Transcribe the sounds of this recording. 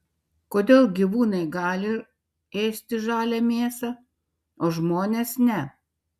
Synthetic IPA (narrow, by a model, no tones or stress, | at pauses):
koːd̪ʲeːlˠɡʲiʋuːnɐɪɡɑːlʲɪ | eːsʲt̪ʲɪʒɑːlʲæmʲeːsɐ | oːʒmoːnʲeːsnʲɛ